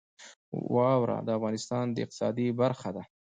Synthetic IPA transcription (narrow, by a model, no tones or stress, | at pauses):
wɑwɾa̰d̪əafɣɑnɪst̪ɑnd̪əɪ̰q̚t̪ɪ̥sɑ̰d̪ibaɾxad̪a